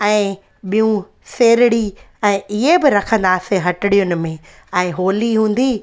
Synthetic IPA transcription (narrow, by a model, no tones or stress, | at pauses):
ɛ̃ː | ɓijũ | seːɾɪɽi | ɛ̃ːʔɪɦebɪɾɐkʰə̃nd̪aːseɦɐʈɪɽijʊnɪ̆mẽ | ɛ̃ːɦoːliɦũːn̆d̪i